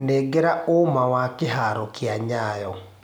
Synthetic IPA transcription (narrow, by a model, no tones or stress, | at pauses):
neɡeɾaomawakeɦaɾɔkeaɲajɔ